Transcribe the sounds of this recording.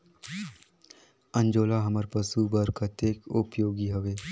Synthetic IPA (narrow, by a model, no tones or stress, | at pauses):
ə̃ɲd͡ʒoːlaːɦɐməɾpəsuːbəɾkʰət̪eːkʊpjoːɡiɦɐɡeː